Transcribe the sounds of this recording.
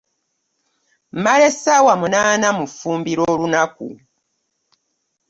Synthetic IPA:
malesawamunaːnamufuːmbiɾolunakṵ

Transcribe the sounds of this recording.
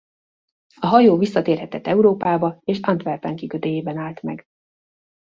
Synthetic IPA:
ɒɦɒjoːvisːɒt̪eːrhɛt̪ɛt̪ːɛuɾoːpaːbɒeːʃɒnt̪ʋɛrp̪ɛŋkikøt̪d̪eːjeːbɛnaːlt̪mɛ̰ɡ

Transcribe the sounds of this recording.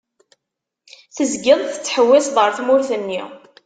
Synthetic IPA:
θəzɡɪðˤθə̥t͡sːħəwːæsðˤəɾˤθmʊɾθənːi

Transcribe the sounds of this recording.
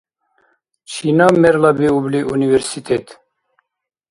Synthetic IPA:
t͡ʃʰinameɾlabiubliʔuniveɾsit̪ʰet̪ʰ

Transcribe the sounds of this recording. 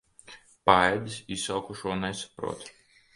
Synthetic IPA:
paɛd̪ʲisisawkuʃuɔnɛsḁpɾṵɔt̪

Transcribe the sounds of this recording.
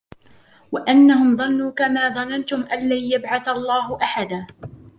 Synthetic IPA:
waʔanːahʊmðˤɑnːuːkamaːðˤɑnant̪ʊmʔanlaːjabʕaθɑlˤːɑːɦʊʔaħad̪aː

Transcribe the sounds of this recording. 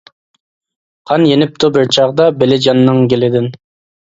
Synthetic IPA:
qʰɑnjenɪp̚t̪ʰubɪɾt͡ʃʰɑʁd̪ɑbelɪd͡ʒɑnːɨŋɡʲelɪd̪ɪn

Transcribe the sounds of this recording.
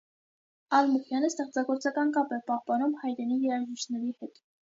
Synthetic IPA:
ɑlmuχjɑnəst̪ɛχt͡sɑɡɔɾt͡sɑkɑnkɑpɛpɑhpɑnumhɑjɾɛnijɛɾɑʒiʃnɛɾihɛt̪

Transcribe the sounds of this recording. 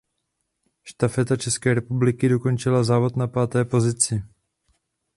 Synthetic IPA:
ʃt̪afɛt̪at͡ʃɛskɛːɾɛpublɪkɪdo̞ko̞nt͡ʃɪlazaːvo̞t̪napaːt̪ɛːpo̞zɪt͡sɪ

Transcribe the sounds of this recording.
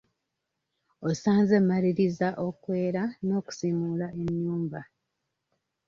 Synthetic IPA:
osaːnze̞mːaɾiɾizaʔo̞kwe̞ːɾano̞ːku̥simulae̞ɲːuːmba

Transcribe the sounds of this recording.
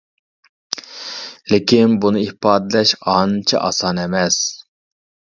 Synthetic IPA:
lɪkʲinbunɨihpɑːd̪ɪlɛʃɑnt͡ʃʰɛ̰ʔɑ̰sɑnɛmɛs

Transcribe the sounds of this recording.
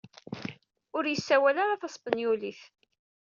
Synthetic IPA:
ʊɾjəsːæwælaɾaθɑsˤbənjuliθ

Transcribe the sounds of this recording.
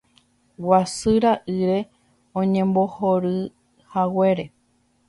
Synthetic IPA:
wasɨɾaʔɨɾe̞ | õɲẽ̞mbohoɾɨ | hawe̞ɾe̞

